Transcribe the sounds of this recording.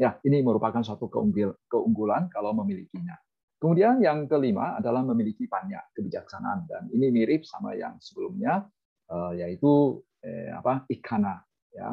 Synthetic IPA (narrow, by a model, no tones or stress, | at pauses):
jainiməɾupakansuat̪ukə̰uŋɡikəuŋɡulankalawməmilikiɲa | kəmudianjaŋkəlima̰a̰dalahməmilikipaɲa̰kəbid͡ʒak̚sana̰ːndaninimiɾɪp̚sama̰ja̰ŋsəbəlumɲa | ʔəjait̪u | ə̰a̰paikʰana | ja̰